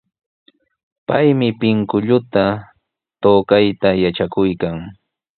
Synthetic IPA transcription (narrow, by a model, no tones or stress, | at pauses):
pajmɪpɪŋkʊʎʊt̪a | t̪oːkajt̪ajaʈ͡ʂakʊjkaŋ